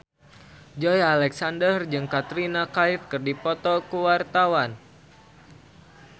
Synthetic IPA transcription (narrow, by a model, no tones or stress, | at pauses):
d͡ʒɔjalɛksandərd͡ʒɨŋkat̪ɾinakaifkɨrdipɔt̪ɔkuwart̪awan